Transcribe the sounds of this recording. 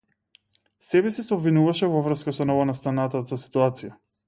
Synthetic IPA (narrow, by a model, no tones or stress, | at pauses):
sɛbɛsɛsɛobvinuvaʃɛvɔvr̩skasɔnɔvɔnast̪anat̪at̪asi̥t̪uat̪sija